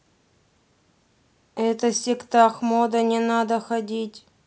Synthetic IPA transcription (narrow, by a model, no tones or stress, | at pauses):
ɛt̪əsʲɪkt̪ɑxmod̪ənʲɪnad̪əxɐdʲitʲ